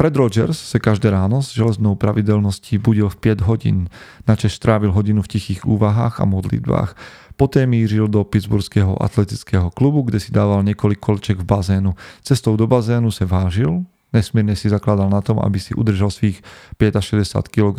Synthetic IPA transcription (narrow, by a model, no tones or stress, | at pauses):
fɾɛd̪ɾɔd͡ʒɛɾsːakaʒd̪ɛːɾaːnɔzʒɛlɛznɔʊpɾaʋiɟɛlnɔsciːbuɟilfpɪɛɟɦɔɟḭːnnat͡ʃɛʃst̪ɾaːʋilɦɔɟinufcixiːɣuːʋaɦaːɣa̰mɔd̪lḭd̪ba̰ːx | pɔt̪ɛːmiːʒild̪ɔpid̪d͡zbuɾskɛɦɔ̰ʔa̰t̪lɛt̪it͡skɛːɦɔklubuɡɟɛsid̪aːʋalɲɪɛkɔlikːɔlɛt͡ʃɛɡvbazɛːnut͡sɛst̪ɔʊd̪ɔbazɛːnusaʋaːʒil | ɲɛsmiɪɛɾɲɛsizaklad̪alnat̪ɔma̰bisiʔṵd̪r̩ʒalsʋiːxpɪɛɟaʃɛɟɛsja̰ːt̪kilɔɡ